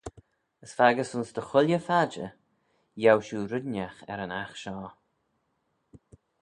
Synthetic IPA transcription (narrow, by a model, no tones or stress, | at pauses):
əsfaɡəsʊnsd̪əxʊlʲjəfad͡ʒə̰ | jawʃuːɾʊdnaxɛ̰ɾənaxʃɔː